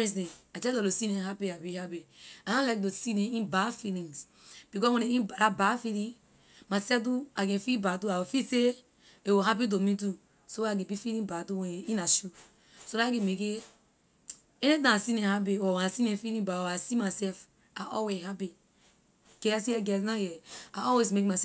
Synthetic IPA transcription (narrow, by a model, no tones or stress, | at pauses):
ɛ̃s̬ẽad͡ʒɛdɔlosinẽɦapiabihabianãlak̚tosinẽĩbafilĩŋs | b̥ikɔwẽneĩbalabafilĩ | masɛtuaɡẽfilbatuawofise | ewoɦap̬it̬omit̬u | sowakɛ̃bifilĩnbatuwɛ̃nĩnaʃu | sonakɛ̃meke | ɛnitãasinɛ̃hap̬iɔwɛ̃nasinɛ̃filĩbaɔasimasɛf | aʔɔlweshapi | ɡ̥ɛsjɛɡɛs̬najɛaɔwesmek̚masɛ